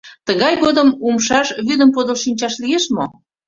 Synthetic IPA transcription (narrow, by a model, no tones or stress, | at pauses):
t̪əɣɑjɣod̪əmumʃɑʃβyd̪əmpod̪əlʃinʲt͡ɕɑʃlijeʃmo